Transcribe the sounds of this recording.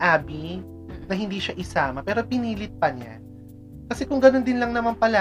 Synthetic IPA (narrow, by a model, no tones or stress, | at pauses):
ʔaːbi | nɐhɪnd̪iːʃaʔɪsaːmɐpɛːɾo̞pɪniːlɪt̪̚pɐɲa̰ | kɐsɛkʊŋɡɐno̞nd̪ɪnlɐŋnɐmampɐla